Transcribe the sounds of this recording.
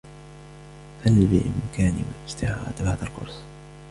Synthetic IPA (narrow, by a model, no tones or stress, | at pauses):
halbɪʔɪ̰mkaːnɪwa̰lʔɪst̪ɪʕaːd̪baʕd̪alqʊ̰ɾsˤ